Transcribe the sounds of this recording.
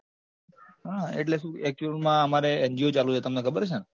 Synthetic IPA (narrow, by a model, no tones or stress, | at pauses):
ɦaḛʈ̬leʃũɛk̚t͡ʃuəlmãəmaɾeend͡ʒiot͡ʃalut͡ʃʰet̪əmnekʰəbəɾt͡ʃʰe